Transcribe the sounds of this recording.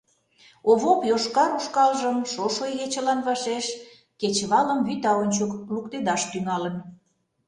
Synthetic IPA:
oβopjoʃkɑɾuʃkɑlʒəmʃoʃojɣet͡ɕə̆lɑnβɑʃeʃ | ket͡ɕβɑləmβyt̪ɑonʲt͡ɕoklukt̪ed̪ɑʃt̪yŋɑlən

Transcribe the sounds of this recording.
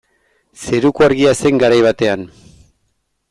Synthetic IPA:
se̞ɾukuaɾɣiase̞ŋɡaɾajβat̪e̞an

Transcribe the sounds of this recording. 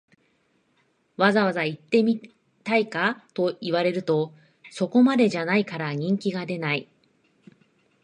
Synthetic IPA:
βazaβazait̪ːe̞mʲi | t̪aikat̪o̞iβaɾe̞ɾɯ̟t̪o̞ | so̞ko̞mad̪e̞ʑanaikaɾaɲ̟ĩŋkʲiɡad̪e̞nai

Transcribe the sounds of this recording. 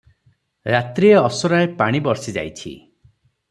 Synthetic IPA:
ɾat̪ɾieɔsɔɾaepaɽ̃ibɔɾsid͡ʒa̰jt͡ʃʰḭ

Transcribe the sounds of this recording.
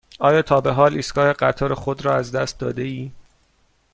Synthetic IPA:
ɒːjɒːt̪ʰɒːbe̞ɦɒːliːsɡɒːhe̞ɢæt̪ʰɒːɾexod̪ɾɒːæzd̪æst̪̚d̪ɒːd̪e̞iː

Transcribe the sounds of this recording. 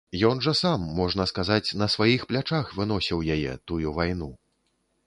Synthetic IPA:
jɔnʐɐsamːɔʐnɐskazat͡sʲn̪ɐsvajixplʲat͡ʂaxvɨn̪ɔsʲiwjajɛ̰t̪ujuvajnu

